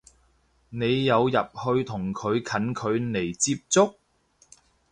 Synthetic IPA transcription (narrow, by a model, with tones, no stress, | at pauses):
ne˨˧jːɐ˨˧wjɐ˨p̚hɵ˧ɥt̪ʰʊ˨˩ŋkʰɵ˨˧ɥkʰɐ˨˥nkʰɵ˨˧ɥne˨˩jt͡siː˧p̚t͡sʊ˥k̚